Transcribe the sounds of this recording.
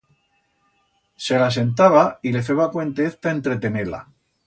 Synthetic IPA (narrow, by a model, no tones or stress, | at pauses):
se̞las̬e̞nt̪̬aβaile̞feβakwe̞nt̪eeθt̪ae̞nt̪ɾe̞t̪e̞nela̰